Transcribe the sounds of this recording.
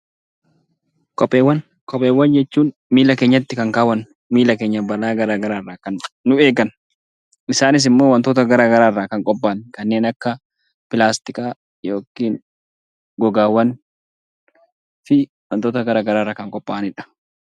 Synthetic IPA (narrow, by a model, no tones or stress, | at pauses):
kʼɔpʼːeːwɐn | kʼɔpʼːeːwːɐnd͡ʒɛt͡ʃːuːn | miːlɐkeːɲːɐt̪ːɪkɐŋkaːwɐn | miːlɐkeːɲːɐbɐlaːɡɐɾaːɡɐɾaːrːaːkɐnːʊeːɡɐn | ʔɪsaːnɪs̬ɪmːo̞ːwɐnt̪oːt̪ɐɡɐɾaːɡɐɾaːrːaːkɐŋkʼɔpʼːaːnkɐnːeːnɐkːɐ | pɪlaːst̪ɪkʼaː | jo̞ːkiːn | ɡɔɡaːwɐn | fɪ | wɐnt̪oːt̪ɐɡɐɾaːɡɐɾaːrːaːkɐŋkʼɔpʼːaːnɪᶑɐ̥